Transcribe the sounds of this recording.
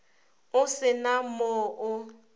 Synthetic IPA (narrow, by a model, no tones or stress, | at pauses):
ʊsɪnamʊːʔʊ